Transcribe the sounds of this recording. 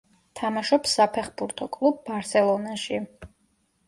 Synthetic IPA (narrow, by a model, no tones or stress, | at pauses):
t̪ʰamaʃɔpsapʰɛχbuɾt̪ʰɔkʼlˠub̚ːaɾsɛlˠɔnaʃi